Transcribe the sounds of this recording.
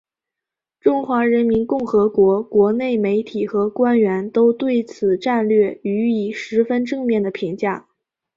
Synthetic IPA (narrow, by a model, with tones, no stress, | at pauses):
ʈ͡ʂʊ˥ŋxwa˧˥ɻə˧˥nmi˧˥nkʊ˥˩ŋxɤ˧˥kwɔ˧˥kwɔ˧˥ne˥˩ɪme˧˥ɪt̪ʰi˨˩xɤ˧˥kwa˥nɥɛ˧˥nt̪o˥ʊt̪we˥˩ɪt͡sʰɹ̩˨˩ʈ͡ʂa˥˧nlɥɛ˥˩y˧˥i˨˩ʂɻ̩˧˥fə˥nʈ͡ʂɤ˥˧ŋmjɛ˥˩nd̪ə˩pʰi˧˥ŋt͡ɕja˥˩